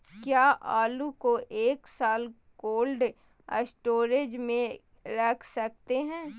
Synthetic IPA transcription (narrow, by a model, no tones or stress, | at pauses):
kjaːʔaːlukoʔeːksaːl | koːlɖ | ə̰sʈoːɾed͡ʒmẽ | ɾɐːkʰsɐk̚t̪eɦɛ̃ː